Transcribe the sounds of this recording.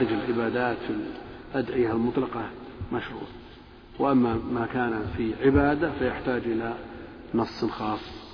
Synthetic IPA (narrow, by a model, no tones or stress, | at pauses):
ɾɪd͡ʒɪlʕɪbaːd̪aːt̪filʔad̪ʕɪjalmʊt̪ˤlɑqɑmaʃɾṵːt̪ | wʔamːamakaːnafiʕɪbaːd̪afajɪħt̪aːd͡ʒʔɪla | nɑsˤːnxɑːsˤː